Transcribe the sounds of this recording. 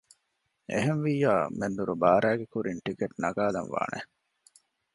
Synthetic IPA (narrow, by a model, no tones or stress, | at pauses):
ʔḛɦenʋiːjaːmend̪uɾubaːɾæːɡekuɾinʈikeʈnɐɡaːlɐnʋa̰ːnʔḛ